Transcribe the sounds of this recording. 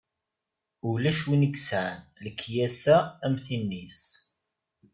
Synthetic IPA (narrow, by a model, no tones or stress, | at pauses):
ʊlæʃwinəɡsʕnləkʰːjæsæːmθinːis